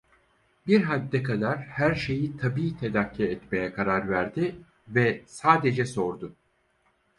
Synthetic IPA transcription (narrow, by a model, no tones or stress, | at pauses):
biɾɦad̪ːɛkʰad̪aɾ̥hæɾʃe̞jit̪ʰabiːt̪ʰe̞d̪akʰːiɛt̪me̞jɛkʰaɾaɾvæɾd̪ɪ | vɛsaːd̪e̞d͡ʒɛso̞ɾd̪ʊ